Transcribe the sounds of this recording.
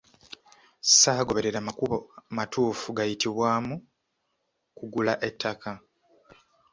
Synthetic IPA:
saːɡo̞βe̞ɾe̞ɾamakuβomatuːfuɡajitiβwaːmu | kuɡulaʔe̞tʰːakʰa

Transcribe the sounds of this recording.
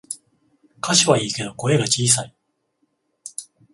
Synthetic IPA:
kʰaɕiβaiːke̞d̪o̞ko̞e̞ɡat͡ɕiːs̬ai

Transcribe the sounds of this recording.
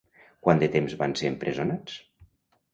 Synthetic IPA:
kwand̪et̪emzβanseəmpɾʔezonat͡s

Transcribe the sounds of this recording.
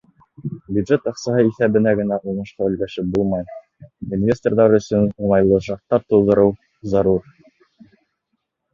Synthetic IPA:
bʲjud̪ʒet̪ɑqsɑɦɤiθæβɘ̆næɡɘ̆næʔunɤ̆ʃqɑɵ̆lɡæʃɘp̚bulˠmɑj | invʲesʲt̪ʲerðɑɾɵ̆sɵnulˠɑjlˠɤʃɑq̚t̪ːɑt̪ulˠd̪ɤ̆ɾɤw | zɑɾuɾ

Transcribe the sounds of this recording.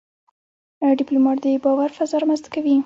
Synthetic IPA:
ɖɪplumɑʈd̪əbɑwaɾfazɑɾmanzt̪kawi

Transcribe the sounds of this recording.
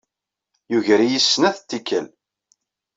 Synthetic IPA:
juʝɾijisːnæθt̪ːikːə̰l

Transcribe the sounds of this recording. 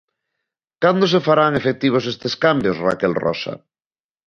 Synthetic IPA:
kand̪os̬efaɾaŋefek̚t̪iβ̞os̬est̪eskambjosra̰kelrɔ̰sa̰

